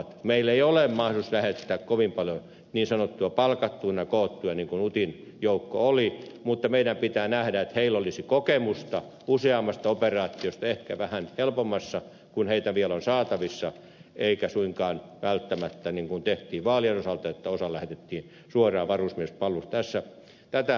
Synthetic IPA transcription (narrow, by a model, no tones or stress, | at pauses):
t̪meilːeiolemmɑhuslæhet̪ːæːkkoʋimpɑljo | niːnsɑnot̪ːuɑpɑlkɑt̪ːuːnɑkoːt̪ːujɑniŋkunut̪in | joukːo̰olimut̪ːɑmeidæmpit̪æːnæhdæet̪heilolisikokemust̪ɑ | useɑmːɑst̪ɑoperɑːt̪ːˑiost̪ɑehkæʋæhænhelpomːɑsːɑ | kunheit̪æʋielonsɑːt̪ɑʋisːɑ | eikæsuiŋkɑːnʋælt̪ːæmæt̪ːæniŋkunt̪eht̪iːʋʋɑːlienosɑlt̪ɑet̪ːæosɑlæhet̪et̪ːiːn | suorɑːʋɑrusmiespɑlːust̪æsːæ | t̪æt̪æ